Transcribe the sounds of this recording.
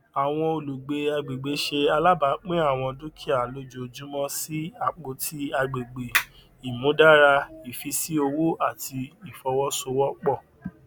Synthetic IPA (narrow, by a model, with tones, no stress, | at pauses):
a˨w̃ɔ̃˧o˧˨lu˨ɡ͡be˨˧a˧ɡ͡be˨ɡ͡be˨˦ʃe˧a˧la˦ba˨˦k͡pĩ˦a˦˨w̃ɔ̃˧dũ˦kʰi˦˨a˨lo˧˦d͡ʒo˨d͡ʒũ˦mɔ̃˦si˦a˧k͡po˧tʰi˦a˧ɡ͡be˨ɡ͡be˨ | i˨mũ˨˦da˦˨ɾa˧i˨fi˧˦si˦o˧wu˦a˦˨tʰi˧i˨fɔ˧wɔ˦so˧wɔ˦k͡pɔ˦˨